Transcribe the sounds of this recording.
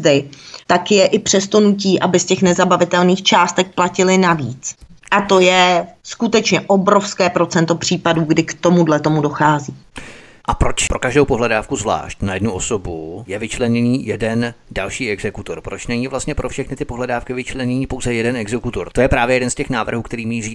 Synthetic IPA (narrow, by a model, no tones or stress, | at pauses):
dɪt̪akjɛʔɪpr̥ɛst̪o̞nuc̬iːʔabɪscɛxnɛzabavɪt̪ɛlniːxt͡ʃaːst̪ɛk̚placɪlɪnaviːt͡sʔat̪o̞jɛskut̪ɛt͡ʃɲɛʔo̞bɾo̞fskɛːpɾo̞t͡sɛnt̪o̞pr̝̥iːpaduːɡdɪkt̪o̞mudlɛt̪o̞mudo̞xaːziː | ʔapɾot͡ʃpɾokaʒdowpoɦlɛdaːfkuzvla̰ːʃcnajɛdnuosobujɛvɪt͡ʃlɛɲɛniːjɛdɛndalʃiːɛɡzɛkut̪oɾpɾot͡ʃnɛɲivlast̪ɲɛpɾʔofʃɛxnɪt̪ɪpoɦlɛdaːfkɪvɪt͡ʃlɛɲɛɲiːpowzɛjɛdɛnɛɡzɛkut̪oɾt̪ojɛpɾaːvjɛjɛdɛnscɛxnaːvr̩ɦuːkt̪ɛɾiːmiːriː